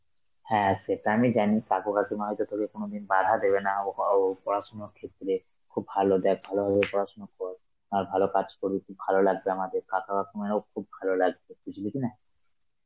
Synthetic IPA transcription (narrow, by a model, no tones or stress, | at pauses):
hɛ̃aseʈaamid͡ʑanikakokakimaɦɔjt̪ot̪ʰokekonod̪inbad̪ʱad̪eβenapɔɾaʃonoɾkʰet̪ːɾe | kʰubːʱalod̪ɛk̚bʱalobʱababepɔɾaʃonokɔɾ | maɾbʱalokad͡ʑkoɾikʰubʱalolaɡ̚beamad̪eɾkakakakimenowkʰubːʱalolaɡbekit͡ʃʰulikina